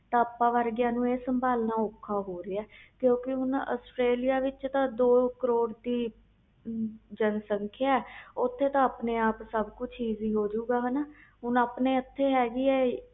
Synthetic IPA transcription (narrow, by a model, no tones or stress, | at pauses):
t̪ãːəpːãːʋəɾɡɪjãːnũːeːsəmbaːlnaːoːkʰːaːɦoːɾeːɛːkjõːkɪʊna̰ːsʈɾeːlijaːʋɪt͡ʃt̪ãːd̪oːkəɾoːɽd̪iː | d͡ʒənsəŋkʰjaːɛːʊt̪ʰːeːt̪ãːəpneːaːpsəbkʊt͡ʃʰiːziːɦoːd͡ʒuːɡaːɦɛnaːɦʊnaːpneːət̪ʰːeːɦɛːɡiːɛː